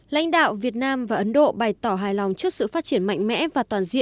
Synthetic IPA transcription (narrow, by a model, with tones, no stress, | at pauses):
la̰˧˥jŋ̟ɗa̰ː˧˨wvi˨˩ət̚naː˧mvaː˨˩ʔə˨˦nɗo̰˧˨ɓa˨˩jt̪ɔ˧˩ɦaː˨˩jlɔ˨˩wŋ͡mt͡ɕɨ˦˥ək̚sɨ̰˧˨faː˦˥t̚t͡ɕi˧˩ənma̰˧˨jŋmɛ̰˧˥vaː˨˩t̪waː˨˩nzḭ˧˨ən